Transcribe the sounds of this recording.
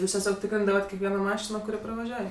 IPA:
ˈjuːs tʲɛˈsʲoːk ˈtʲɪkrʲɪndɐʋɐt kʲɛkˈʋʲiɛnoː ˈmɑːʃʲɪnoː kʊˈrʲɪ prɐʋɐˈʒʲuɔj

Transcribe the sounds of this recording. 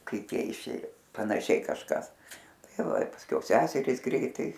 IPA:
ˈkɐɪp ˈjiɛ ɪˈʃʲeːjoː pɐnɐˈʃʲɛɪ kɐʃˈkɐs ˈtɐɪ ˈʋɐ ɪ pɐsʲˈkʲɛʊ ˈsʲæːsʲɛrʲiːs ˈɡrʲɛɪtɐɪ

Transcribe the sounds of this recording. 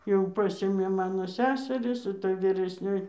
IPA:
jɛʊ ˈpɑːsʲeːmʲeː ˈmɑːnoː ˈsʲæːsʲɛrʲɪs ɪˈtɐ ʋʲiːrʲɛsʲˈnʲoːj

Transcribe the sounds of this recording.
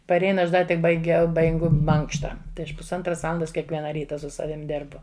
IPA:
pɐˈrʲɛɪn ˈɐʃ ˈdɐ tʲɪk bɐɪˈɡʲɛʊ bɐɪˈɡʊ ˈmɐŋkʃtɐ tɐɪ ˈɐʃ pʊsˈɐntrɐs ˈʋɑːlˠɐndɐs kʲiɛkˈʋʲiɛnɐ ˈrʲiːtɐ sʊ ˈsɑːʋʲɪm ˈdʲeːrbʊ

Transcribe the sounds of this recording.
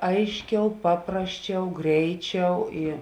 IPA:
ˈɐɪʃʲˌkʲɛʊ ˈpɑːprɐsʲˌt͡ʃʲɛʊ ˈɡrʲɛɪˌt͡ʃʲɛʊ ɪ

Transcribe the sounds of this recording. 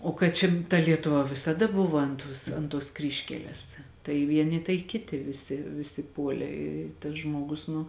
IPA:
oː kɐt ˈt͡ʃʲɛ tɐ lʲiɛtʊˈʋɐ ʋʲɪsɐˈdɐ ˈbʊʋɐ ɐnt ˈtoːs ɐnt tuɔs ˈkrʲiːʃʲkʲɛlʲɛs tɐɪ ˈʋʲiɛnʲɪ tɐɪ ˈkʲɪtʲɪ ʋʲɪˈsʲɪ ʋʲɪˈsʲɪ ˈpuɔlʲeː ɪ tɐs ˈʒmoːɡʊs nʊ

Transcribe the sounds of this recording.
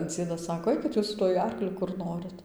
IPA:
ˈd͡zʲiɛdɐs ˈsɑːkoː ˈɐɪkʲɪt jʊs sʊ ˈtuɔj ˈɐrklʲʊ kʊr ˈnoːrʲɪt

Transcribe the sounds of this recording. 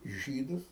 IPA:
ˈʒʲiːdʊs

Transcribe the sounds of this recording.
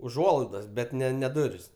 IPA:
ʊˈʒuɔlˠɐɪdɐs bʲɛt ˈnʲɛ nʲɛ ˈdʊrʲɪs

